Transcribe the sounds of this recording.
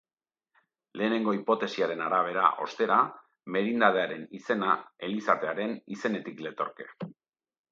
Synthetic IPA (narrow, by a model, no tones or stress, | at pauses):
le̞ːne̞ŋɡo̞ipo̞t̪e̞siaɾe̞naɾaβ̞e̞ɾa̰ʔo̞̰st̪e̞ɾa | me̞ɾind̪aðe̞aɾe̞nise̞nae̞lisat̪eaɾe̞nise̞ne̞t̪ikle̞t̪o̞ɾke̞̥